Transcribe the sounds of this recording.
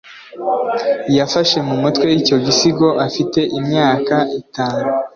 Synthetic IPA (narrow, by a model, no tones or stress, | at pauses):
jafaʃe̞mumutwe̞jico̞ɟisiɡo̞ʔafite̞ʔimɲaːkaʔitaːnu